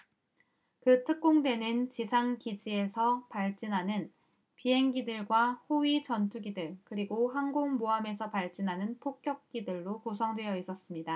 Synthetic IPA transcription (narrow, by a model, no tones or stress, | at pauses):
kɯtʰɯk̚k͈oŋdwe̞nɯnt͡ɕisʰaŋkid͡ʑie̞sʰʌpaɭt͡ɕ͈inɦanɯn | piɦe̞ŋɡidɯɭɡwahoɥit͡ɕʌntʰuɡidɯɭkɯɾiɡoɦaŋɡoŋmoame̞sʰʌpaɭt͡ɕ͈inɦanɯnpʰok̚k͈jʌk̚k͈idɯɭːokusʰʌŋdwe̞jʌis͈ʌs͈ɯmɲida